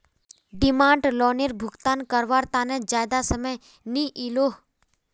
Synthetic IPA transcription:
ɖɪmãːɳɖlɔːniɾbʱʊɡt̪aːnkəɾʋaːɾt̪aːnɛ̃d͡ʒaːjd̪asəməj | niʔiloː

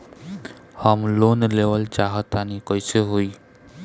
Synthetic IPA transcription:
həmlonleʋəlt͡ʃaɦət̪anikɔjseɦoi

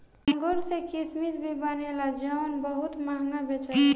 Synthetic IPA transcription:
ə̃ŋɡoɾsekismisbʱibanelad͡ʒəʋnbəɦʊt̪maɦŋɡabet͡ʃa

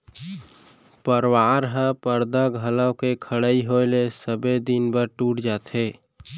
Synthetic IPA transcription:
pəɾwaːɾɦə̃pəɾd̪aɡʱələkekʰəɽaːiɦoɪlesəbed̪inbəɾʈuːʈd͡ʒaːt̪eː

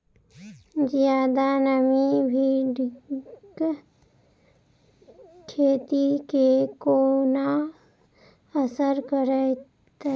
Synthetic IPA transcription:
d͡ʒjaːd̪anəmibʱiɖ | k | kʰeːt̪ikekona | əsəɾkəɾɛ | t̪

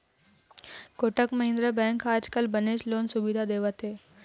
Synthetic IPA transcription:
koʈəkməɦẽnd̪ɾəbɛ̃ŋkaːd͡ʒkəlbəneʃloːnsuʋid̪ʱad̪eʋət̪e

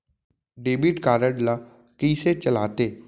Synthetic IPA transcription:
ɖeːbɪʈkaːɾəɖlaː | kiːset͡ʃəlaːt̪eː

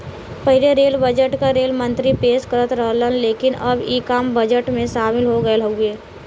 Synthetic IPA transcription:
pɐɦɪleɾeːlbəd͡ʒəʈkaɾeːlmə̃nt̪ɾipeːʃkəɾət̪ɾəɦlənleːkɪnɐbiːkaːmbɐd͡ʒəʈmẽʃaːmɪlɦoɡəeləeː

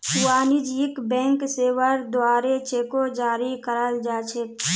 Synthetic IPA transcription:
kʊwaːnɪd͡ʒɪkbɛ̃ːŋkseːwəɾd̪waːɾet͡ʃeːkod͡ʒaːɾikəɾəld͡ʒaːt͡ʃʰek̪̚

